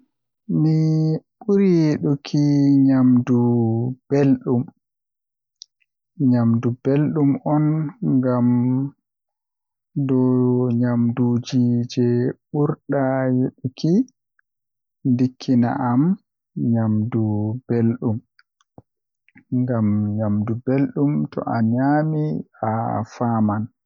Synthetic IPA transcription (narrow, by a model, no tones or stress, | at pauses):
miɓuɾijeɗukʰiɲamdub̥elɗum | ɲamdubelɗumɔnŋɡam | dɔɲamdud͡ʒid͡ʒɛɓuɾɗajeɗuki | ndikʰːina̰ʔam | ɲamdub̥elɗum | ŋɡamɲamdubelɗumtɔ̰ʔa̰ɲamiafaman